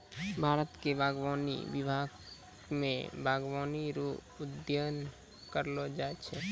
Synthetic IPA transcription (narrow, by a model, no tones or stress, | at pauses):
bʱaːɾət̪kebʱaːɡwaːnḭʋɪbʱaɡ | mḛ̃bʱaːɡwaːniɾo | ʊd̪jən | kəɾlod͡ʒaɛt͡ʃʰɛ